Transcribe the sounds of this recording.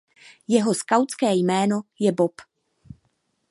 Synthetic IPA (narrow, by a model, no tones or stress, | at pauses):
jɛɦo̞skawt͡skɛːjmɛːno̞jɛbop